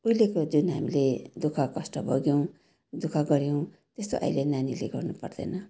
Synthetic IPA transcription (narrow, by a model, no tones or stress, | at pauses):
uilekod͡zunɦamiled̪ukʰakʌsʈʌbʱʌɡjow̃ | d̪ukʰaɡʌɾjow̃ | t̪est̪o̰ʔa̰jlenanileɡʌrnupʌ̰rd̪ʌ̰nʌ